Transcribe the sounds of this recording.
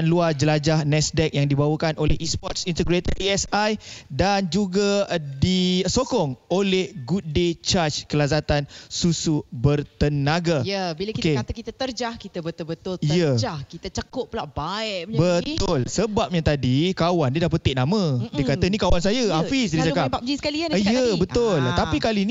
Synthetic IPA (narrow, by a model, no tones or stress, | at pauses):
anluad͡ʒəlad͡ʒahnɛsdɛk̚jaŋdibawəkanolɛhispɔt̪̚sint̪əɡɾet̪ət̪̚iɛsajdand͡ʒuɡadisokɔŋolɛhɡut̪̚det͡ʃat͡ʃkəlazat̪ansusubərt̪ənaɡajəbilakikeat̪əkit̪ət̪ərd͡ʒahkit̪əbət̪ʊlbət̪ʊlijəd͡ʒahkit̪ət͡ʃəkʊʔ̚plaʔbaɪʔbət̪ʊlsəbap̚ɲat̪adikawandidap̬ət̪ɪʔnamə̃dikat̪ənikawansajəafisdisakabak̚d͡ʒiskalianijəbət̪ʊlt̪apikalini